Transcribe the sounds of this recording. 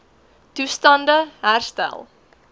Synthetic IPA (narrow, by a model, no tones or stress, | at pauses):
tustɐndəɦærstæ̰lˠ